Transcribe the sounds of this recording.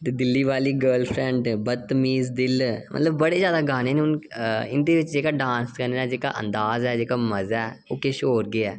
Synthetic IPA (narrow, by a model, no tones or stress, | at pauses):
t̪ed̪ɪlːiːʋaːliːɡəːlpʰɾɛ̃ɳɖbət̪ːəmiːzd̪ɪlmʔə̰t̪ləbːəɽeːzjaːd̪aːɡaːneːneːʊnɪnd̪eːʋɪt͡ʃd͡ʒeːkaːɖãːnskəneːaːd͡ʒeːka̰ːʔə̰̃nd̪aːzɛːd͡ʒeːkaːməzɛːoːkeʃoːɾɡɪɛː